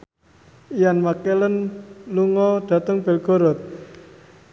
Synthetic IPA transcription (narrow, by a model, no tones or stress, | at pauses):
ijanmakelənluŋɔɖ̪̥ä̤t̪əŋb̥ɛ̤lɡ̥o̤ɾɔt̪̚